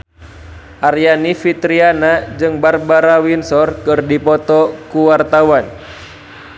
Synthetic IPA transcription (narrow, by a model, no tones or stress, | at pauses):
ʔarjanifit̪ɾianad͡ʒɨŋbarbaɾawinsɔrkɨrdipɔt̪ɔkuwart̪awan